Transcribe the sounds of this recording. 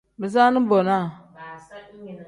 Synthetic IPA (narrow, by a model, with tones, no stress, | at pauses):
mi˨za˦nə˦bo˨na˦˨